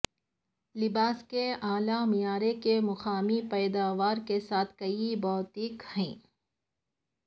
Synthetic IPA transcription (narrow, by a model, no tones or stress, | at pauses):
lɪbaːskeaːlamijaːɾekemʊxaːmipɛːd̪aːʋaːɾkesaːt̪ʰkɐibɔːt̪ɪkhɛ̃ː